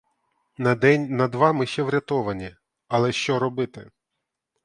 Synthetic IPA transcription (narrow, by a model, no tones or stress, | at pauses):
nɐd̪ɛnʲnɐd̪ʋɑmɪʃt͡ʃɛʋɾʲɐt̪ɔʋɐnʲi | ɐlˠɛʃt͡ʃɔɾɔbɪt̪ɪ